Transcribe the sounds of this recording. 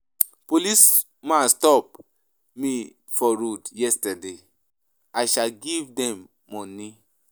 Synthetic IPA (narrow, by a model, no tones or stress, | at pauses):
polis | mastɔp̚ | mi | fɔɹudjɛstɛde | ajʃalɡivdɛ̃mː | ɔ̃ni